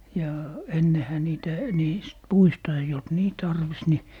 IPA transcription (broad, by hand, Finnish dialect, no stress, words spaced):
jɑ enːehæ niːtæ niːst puistɑ eij olt niː tɑrʋis ni